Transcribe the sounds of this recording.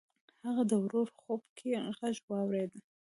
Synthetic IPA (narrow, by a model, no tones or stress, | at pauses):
haʁadəwɾorχopkʰiʁaʒwɑwɾed̪ʼ